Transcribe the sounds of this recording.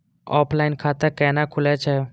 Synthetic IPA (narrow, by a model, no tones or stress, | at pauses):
ɔ̰ːpʰlaɪnkʰaːt̪əɾkɛːnakʰʊlɛt͡ʃʰɛː